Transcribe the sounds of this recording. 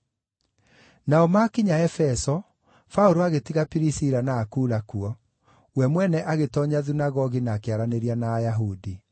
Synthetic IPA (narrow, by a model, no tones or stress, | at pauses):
naɔmakiɲaɛfɛsɔ | fauɾoaɣetiɣapiɾisiɾanaːkuːɾakuɔ | wɛmwɛnɛʔaɣetɔɲaðunaɣɔɣinaːkeaɾaneɾianaːjaɦudi